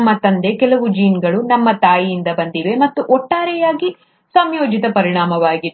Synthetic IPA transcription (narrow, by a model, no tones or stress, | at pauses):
mːɐt̪ɐnd̪e̞kɛlɐʋud͡ʒiːnɡɐɭunɐmːɐt̪aːjijind̪ɐbɐnd̪iʋe̞mɐt̪ːuʔɔʈːaːɾɛjaːɡi | sɐmjoːd͡ʒit̪ɐpɐɾiɳaːmɐʋaːɡi